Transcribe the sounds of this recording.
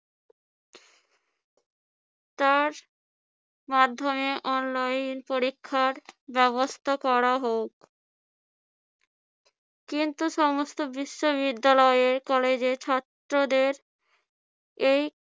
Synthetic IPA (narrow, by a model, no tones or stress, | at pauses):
t̪aɾ | mad̪ʱːomeʔɔnlajnpoɾikʰːaɾbɛβost̪ʰakɔɾaɦok | kːint̪uʃɔmost̪obiʃːoβbid̪ːalɔeeɾkɔled͡ʑet͡ɕʰɔt̪ːɾod̪eɾ | ej